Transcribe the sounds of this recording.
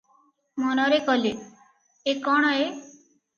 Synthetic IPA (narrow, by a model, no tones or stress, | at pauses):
mɔnɔɾekɔle | ekɔɽ̃ɔe